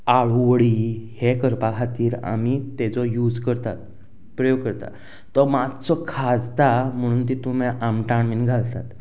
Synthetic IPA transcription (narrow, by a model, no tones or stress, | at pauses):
aɭuʋɭiːhekəɾpakʰat̪iːɾa̰mit̪ɛt͡sɔjud͡zkəɾt̪a̰t̪ | pɾəjoɡ̚kəɾt̪a̰ | t̪ɔmatt͡sɔkʰad͡zt̪am̤əɽ̃uːnt̪it̪umeʔamʈaɳminɡʱalt̪at̪